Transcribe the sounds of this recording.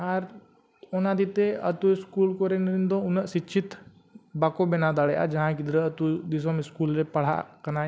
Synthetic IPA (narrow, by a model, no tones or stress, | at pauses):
aɾ | onad̪it̪eɐt̪uɪskuːlkoɾenɾind̪õʊnəʔsit͡ʃʰit̪ | bakobɛnad̪aɽeʔa̰d͡ʒɐɦãkid̪ɾəət̪ud̪isomɪskuːlɾepɐɽ̤a̰kɐnaː